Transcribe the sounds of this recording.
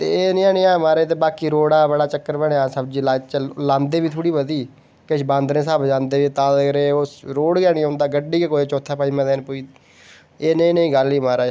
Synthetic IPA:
t̪eːnĩːãːnĩːaːmaːɾeːt̪̬eːbaːkiːɾoːɽaːbəɽaːt͡ʃəkːəɾbəɽeːaːsəbd͡ʒiːlaːt͡ʃlãːnd̪eːʋiːt̪ʰoːɽiːbəd̪iː | kəʃbãːnd̪nẽːsaːbd͡ʒãːnd̪eːʋiːt̪ãːd̪ekɾeːosɾoːɽɡaːnĩːõːnd̪aːɡəɖːiːkekoːeːt͡ʃoːt̪ʰːaːpaːiːmɛ̃ːd̪eːnpoːiː | eːnəĩːnəĩːɡəliːmaːɾaː

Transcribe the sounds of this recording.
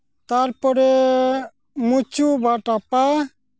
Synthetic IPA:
t̪aɾpɔɾɛ | mut͡ʃubaʈapa

